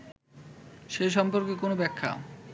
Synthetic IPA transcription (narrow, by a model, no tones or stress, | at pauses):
ʃeʃ̬ɔmpoɾkekonobɛkʰːa̰